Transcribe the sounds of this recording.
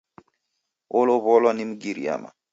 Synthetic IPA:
oloβɔlɔnimɡiɾḭa̰ma̰

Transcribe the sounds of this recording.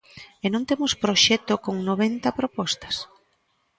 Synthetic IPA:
enõŋt̪emʊspɾoʃɛt̪okoŋnoβ̞ent̪ɐpɾopɔst̪ɐ̥s

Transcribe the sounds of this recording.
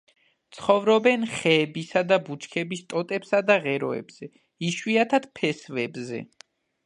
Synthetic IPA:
t̪sʰχɔvɾɔbɛnχɛːbisad̪abut͡ʃʰkʰɛbist̪ʼɔt̪ʼɛpsad̪aʁɛɾɔ̰ɛ̰bz̥ɛ | iʃwiat̪ʰad̪̥pʰɛsvɛbzɛ̰

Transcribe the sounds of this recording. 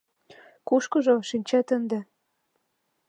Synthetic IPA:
kuʃkɤ̆ʒoʃinʲt͡ɕæt̪ə̆nd̪ĕ

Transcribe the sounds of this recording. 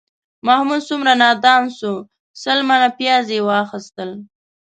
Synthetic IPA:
mahmud̪sumɾanɑd̪ɑnsu | səlmanapjɑzewɑxɪst̪əl

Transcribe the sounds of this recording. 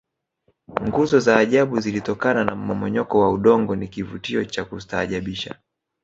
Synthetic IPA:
ŋɡuzɔzaːʄaɓuzilitɔkananam̩mɔmɔɲɔkɔwauɗɔŋɡɔnikivutiɔt͡ʃakutaːʄaɓiʃa̰

